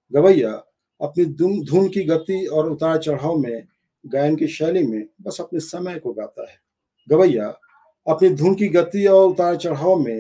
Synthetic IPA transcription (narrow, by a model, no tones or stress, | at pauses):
ɡɐʋəja | ɐpnid̪d̪ʱuːnkiɡɐt̪iɔːɾʊt̪aːɾat͡ʃɐɽ̤aːomẽ | ɡaːɪnkiʃɛːlimẽbɐsɐpnisɐməjkoɡaːt̪a̰ɦɛː | ɡɐbəja | ɐpnid̪ʱuːnkiɡɐt̪iɔːɾʊt̪aːɾat͡ʃɐɽ̤aːomẽ